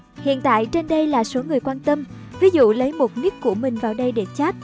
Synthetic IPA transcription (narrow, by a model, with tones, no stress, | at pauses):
hḭ˧˨ənt̪a̰ː˧˨jt͡ɕe˧nɗə˧jlaː˨˩so˨˦ŋɨ˨˩əjkwaː˧nt̪ə˧m | vi˨˦zṵ˧˨lə˨˦jmo˨˩t̚ni˦˥əkkːu˧˩əmï˨˩ŋ̟vaː˨˩wɗə˧jɗe˧˩t͡ɕa˦˥t̚